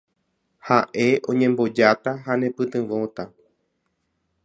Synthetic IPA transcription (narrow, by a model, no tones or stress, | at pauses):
haʔe̞ʔõ̞ɲẽmbo̞d͡ʒat̪aɦanẽpɨt̪ɨ̃ʋõ̞t̪a